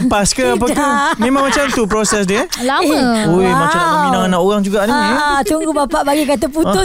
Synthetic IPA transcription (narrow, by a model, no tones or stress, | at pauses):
ləpaskəap̬əkanmẽmãŋmat͡ʃamt̪up̬ɾosɛsdiəlaməojmãt͡ʃaminãŋanaʔoɣaŋd͡ʒuɡaʔnit̪uŋɡubapaʔbaɡikat̪apuʊ